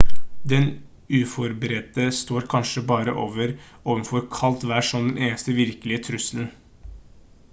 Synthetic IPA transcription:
d̪ɛn | ʉːfɔɾbəɾɛt̪əst̪oːɾkʰɑnʂəbɑːɾəʔoːʋəɾ | oːʋənfɔɾkʰɑlt̪ʋæʂɔmd̪ɛnʔeːnəst̪əʋɪɾkəlɪət̪ʰɾʉsln̩

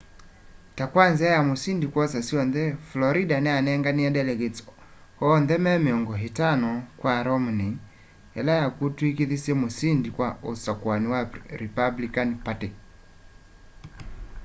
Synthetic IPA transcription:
takwanzɛajamosindikwɔsasiɔnðɛflɔɾidanɛanɛŋɡaniadɛlɛɡɛs | hɔːnðɛmɛmeɔŋɡɔɦitanɔkwaɾɔmni | ɛ̰lajakutwikiðisɛmosindikwaosakwaniwaɾipablikanpati

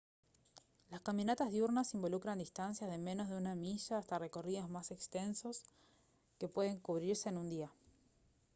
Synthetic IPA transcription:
laskamjonat̪azðjuɾnasimbo̞lukɾand̪ist̪ansjazðe̞me̞no̞zðeunamiʃaːst̪are̞ko̞riðozmase̞kst̪e̞nso̞s | ke̞pwe̞ð̞e̞ŋkuβɾiɾse̞ːnũnd̪ia

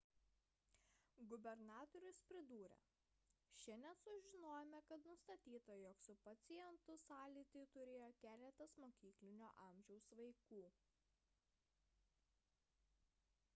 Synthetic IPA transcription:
ɡʊbʲɛɾnɑːt̪ɔɾʲʊspʲɾʲɪd̪uːɾʲɛ̰ | ʃʲɛnʲɛnsʊʒʲɪnoːjɛmʲɛkɐt̪nʊst̪ɐt̪ʲiːt̪ɐjoːksʊpɐt̪sʲɪjɛnt̪ʊsɑːlʲiːt̪ʲɐɪt̪ʊɾʲeːjoːkʲæːlʲɛt̪ɐsmoːkʲiːklʲɪnʲoːʔɑˑmʲʒʲɛʊsʋɐɪkuː

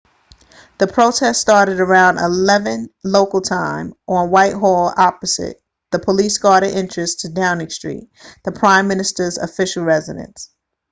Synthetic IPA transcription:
ðɨpʰɹ̥oʊtʰɛststɑɹɾɨɾə˞ãʊ̃ndə̰lɛvɨ̃nloʊkl̩ˠtʰãɪ̃mʔə̃nwaɪt̚ɦɔlˠɑpɨz̥ɪ̰t̪̚ | ðəpʰəlisɡ̥ɑɹɾɨʔɪ̃nt͡ʃɹ̥ɨstʰɨdãʊ̃nɪ̃ŋstɹ̥ḭt̪̚ðəpʰɹ̥ãɪ̃mːɪ̃nɨstə˞zɨ̰fɪʃl̩ˠɹɛzɨɾɨ̰̃ns

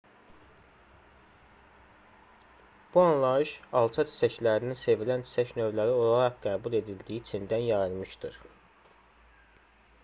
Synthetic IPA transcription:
b̥uɑnlˠɑɯʃɑlˠt͡ʃʰɑt͡ʃʰi̥t͡ʃæçlæɾininse̞vilænt͡ʃʰi̥t͡ʃʰæçnø̞vlæɾio̞lˠɑɾɑχɡæːbulˠe̞d̪ild̪ijit͡ʃʰind̪ænjɑjɯlˠmɯʃd̪ɯɾ

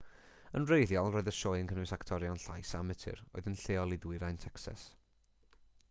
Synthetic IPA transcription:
ənrejðjɔlˠroːɨðəʃɔːjənkʰənɨsaktʰɔɾjɔnɬajsamɨtʰɪ̰ɾo̰ɨðənɬeːɔlˠɪðwɪɾajntʰɛksɛ̰s

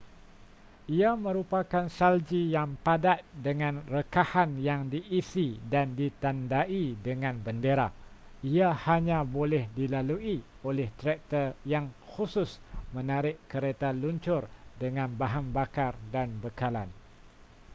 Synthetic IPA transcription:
iamə̃ɾupakansald͡ʒijaŋpadat̪̚dəŋãnrəkahanjaŋdiʔːsidandit̪andaidəŋãnbəndeɾaiahaɲãbolɛhdilalui | olɛht̪ɾɛk̚t̪ərjaŋxusʊsmə̃naɾɪʔkəɾet̪aluɲt͡ʃʊrdəŋãnbaɦambakardanbəkala̰n

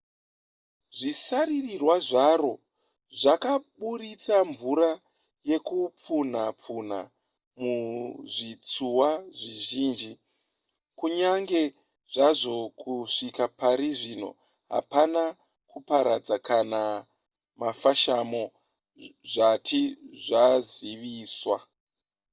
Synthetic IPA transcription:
ʐisaɾirirwaʐaro̞ | ʐakaɓuɾit͡saɱvuɾa | je̞kup͡funap͡fun̤a̰ | muʐit͡suwaʐiʒiːnd͡ʒi | kuɲaŋɡe̞ | ʐaʐo̞kʰuʂikapaɾiʐino̞̰ | ɦa̰pana | kupaɾad͡zakana | mafaʃamo̞ | ʐatʰiʐaziʋiːswa

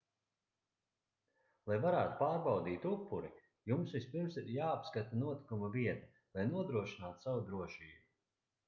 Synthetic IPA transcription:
lˠajvaɾaːt̪u̥paːɾbawd̪iːt̪upːuɾi | jumsvispiɾmsiɾjaːpskat̪anuɔt̪i̥kumaviɛt̪a | lˠajnuɔd̪ɾuɔʃinaːt̪savud̪ɾuɔʃiːubu

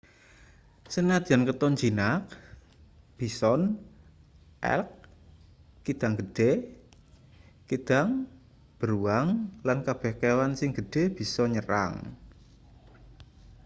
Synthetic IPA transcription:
sənad̪ankət̪ɔnd͡ʒinak̚ | b̥i̤sɔn | ʔɛ̰lk̚ | kid̪̥a̤ŋɡəɖ̥e | kid̪̥a̤ŋ | b̥əɾuaŋlankab̥ɛhkewansɪŋɡ̥ə̤ɖ̥e̤b̥i̤sɔɲəɾa̰ŋ

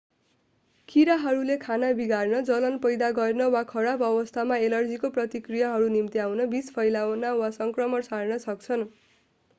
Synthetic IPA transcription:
kʰiɾaɦʌɾulekʰanabiɡarnʌd͡zʌlʌnpʌjd̪aɡʌrnʌwakʰʌɽabʌbʌst̪ʰamaelʌrd͡zikoprʌt̪ikrijʌɦʌɾunimt̪iawnʌbispʰʌjlawnawasʌŋkrʌmʌrsarnʌsʌkt͡sʰʌn

